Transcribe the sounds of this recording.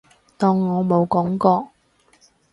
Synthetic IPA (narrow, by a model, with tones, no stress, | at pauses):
t̪ɔː˧ŋːɔː˨˧mo˨˧wkɔː˨˥ŋkɔː˧k̚